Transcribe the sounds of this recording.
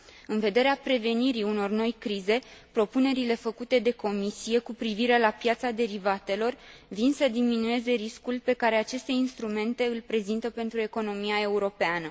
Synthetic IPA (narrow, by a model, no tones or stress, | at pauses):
ɨnve̞d̪e̞ɾeapɾe̞ve̞niɾiuno̞rno̞jkɾize̞pɾo̞pune̞ɾile̞fəkut̪e̞d̪e̞ko̞misije̞kupɾiviɾe̞lapjat̪sad̪e̞ɾivat̪e̞lo̞rvinsəd̪iminue̞ze̞ɾiskulpe̞kaɾe̞at͡ʃe̞st̪e̞inst̪ɾume̞nt̪e̞ɨlʲpɾe̞zint̪əpe̞nt̪ɾue̞ko̞no̞mijae̞uɾo̞peanə